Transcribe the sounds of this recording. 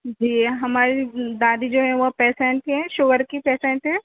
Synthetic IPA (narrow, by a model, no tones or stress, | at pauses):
d͡ʒiːɦɐmaːɾid̪aːd̪id͡ʒoːɦɛʋopɛːsẽɳʈɦɛ̃ʃʊʋəɾkipɛːsẽɳʈɦɛ̃